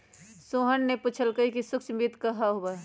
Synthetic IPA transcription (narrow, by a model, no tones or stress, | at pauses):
suɦənːepuːt͡ʃʰəlkəikisʊkt͡ʃbit̪kəɦaɦoba